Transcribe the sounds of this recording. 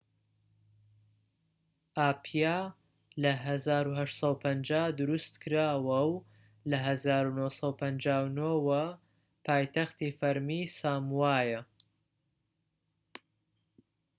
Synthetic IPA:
ʔaːpʰija | lɐɦɐzaːɾuɦɐʃt̪sˤɑpʰɐnd͡ʒaːd̪ʊɾust̪kɨɾaːwɐw | lɐɦɐzaːɾunosɑwpʰɐnd͡ʒaːwnowɐ | pʰaːjt̪ɐxt̪ifɐɾmiːsaːmwaːjɐ

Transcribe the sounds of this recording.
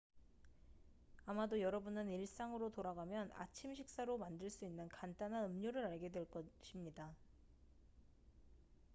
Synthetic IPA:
amadojʌɾʌbunɯniɭs͈aŋɯɾotoɾaɡamjʌna̰t͡ɕʰimɕʰik̚s͈aɾomandɯɭs͈uinːɯnkant͈anɦanɯmɲoɾɯɾaɭɡe̞dwe̞ɭk͈ʌɕʰimɲida

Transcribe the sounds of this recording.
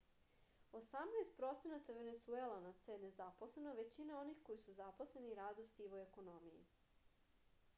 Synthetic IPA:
o̞samnaːst̪̚pɾo̞t̪se̞nat̪aʋe̞net̪suelˠanat̪sene̞zaposle̞noʋe̞t͡ɕinao̞nixko̞jisuzapo̞sle̞niɾaːd̪usiʋojeko̞no̞mijḭ

